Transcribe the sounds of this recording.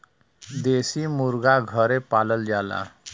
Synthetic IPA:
d̪esiːmuɾɡaɡʱəɾepaləld͡ʒala̰

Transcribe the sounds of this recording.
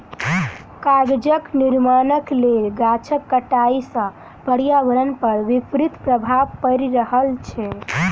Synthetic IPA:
kaɡd͡ʒəkniɾmanəklelɡat͡ʃʰəkːəʈaisə̃ | pəɽjabəɾənpəɾʋipɾit̪pɾəbʱabpəɾiɾəɦəlt͡ʃʰɛ

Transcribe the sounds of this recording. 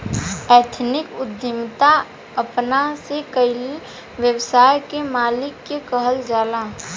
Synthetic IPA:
ɛːt̪ʰnɪkʊd̪ʱjəmt̪a | əpnasekəɪli | ʋjəwsaːjkemaːlɪkːekəɦəld͡ʒaːla

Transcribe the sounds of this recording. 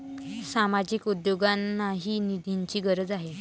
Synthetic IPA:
samad͡ʑiːkud̪joɡanːaɦiːnid̪ʱiɲt͡ɕiːɡəɾəd͡zaɦe

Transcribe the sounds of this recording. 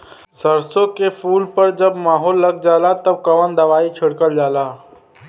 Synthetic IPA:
səɾsõkepʰuːlpəɾd͡ʒəbmaːɦoːlːəɡd͡ʒaːlat̪əb̚kɐʋənd̪əʋaːit͡ʃʰʊɽkəld͡ʒaːlaː

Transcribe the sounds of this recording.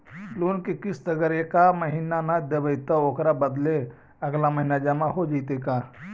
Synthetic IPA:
luːnkikɪsd̪əɡəɾekaməɦinanad̪ebəjt̪əoːkɾabəd̪le | ɐɡlaməɦinad͡ʒamãɦod͡ʒit̪eka

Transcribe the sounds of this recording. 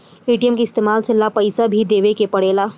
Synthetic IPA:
iːʈijəmkiɪst̪eːmaːlsɪlːapɐɪsabʱid̪eːʋekepɐɽeːlaː

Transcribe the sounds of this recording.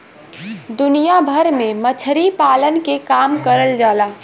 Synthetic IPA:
d̪ʊnijabʱəɾmẽmət͡ʃʰɾipaːlənkekaːmkəɾəld͡ʒaːlaː

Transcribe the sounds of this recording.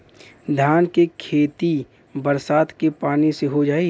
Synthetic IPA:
d̪ʱjaːnkekʰeːt̪i | bəɾsaːt̪kepaːniseɦod͡ʒaːiː

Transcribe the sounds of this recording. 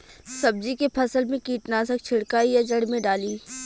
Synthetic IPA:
sɐb̚d͡ʒikepʰɐsəlmẽkiːʈnaːsək̚t͡ʃʰɪɽkaːijad͡ʒɐɽ̤mẽɖaːliː

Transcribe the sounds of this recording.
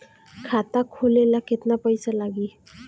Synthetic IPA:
kʰat̪akʰolelaket̪napəjsalaɡi

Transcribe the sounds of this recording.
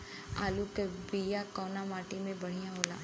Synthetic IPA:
a̰ːlukebijakɔːnamaːʈimẽbɐɽ̤ijãɦoːla̰ː

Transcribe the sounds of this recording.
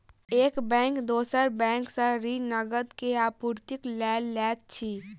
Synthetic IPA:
eːkbɛ̃ːŋkd̪oːsəɾbɛ̃ːŋksəɾinəɡəd̪keaːpuːɾt̪ɪklɛːlːɛːt̪̚t͡ʃʰiː

